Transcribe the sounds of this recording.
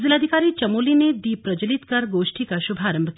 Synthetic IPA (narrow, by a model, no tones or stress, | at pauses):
zilaːd̪ʱikaɾit͡ʃɐmolined̪ipɾɐd͡ʒəlit̪kɐɾɡoʃʈʰikaʃubʱaːɾəmbʱək